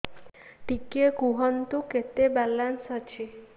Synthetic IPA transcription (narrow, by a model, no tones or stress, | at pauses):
ʈikekuɦɔnt̪uket̪ebalansɦʌt͡ʃʰi